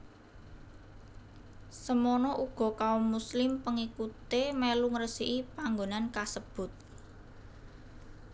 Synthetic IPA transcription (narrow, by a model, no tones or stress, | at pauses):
səmɔnɔʔuɡ̥ɔ̤kaomːuslɪmpəŋikut̪emeluŋɾəsiʔipaŋɡonankasəb̥ʊ̤t̪̚